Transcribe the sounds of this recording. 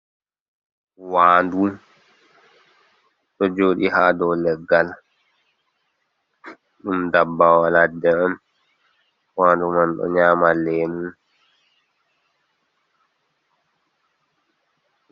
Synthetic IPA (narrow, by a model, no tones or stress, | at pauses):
waːndu | ɗɔd͡ʒoːɗihadɔwlɛɡːal | ɗumdabːawaladɛam | waːndumanɗɔ̰ɲaːmalɛnun